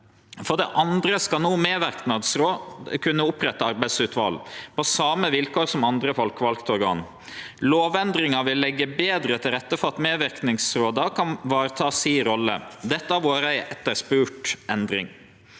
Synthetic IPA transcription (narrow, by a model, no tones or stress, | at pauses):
fɔɖɛʔɑnd̪ɾəskɑlnuːmeːʋæɾknɑd̪sɾoːkʰʉnːəʊpɾɛt̪ːəɑɾbæɪsʉːt̪ʋɑ̰ːlpʰɔsɑːməʋɪlkʰoːɾsɔmɑnd̪ɾəfɔlkʋɑlkt̪ɔɾɡɑ̰ːn | loːʋɛnd̪ɾɪŋɑʋɪlːɛɡːəbeːd̪ɾət̪ʰɪlɾɛt̪ːəfɔɾɑt̪meːʋɪɾknɪŋsɾoːd̪ɑkʰɑnʋɑːɾət̪ʰɑːsiːɾɔlːə̰d̪ɛt̪ːɑʋoːɾæɪɛt̪ːəɾspʉːʈɛnd̪ɾɪ̰ŋ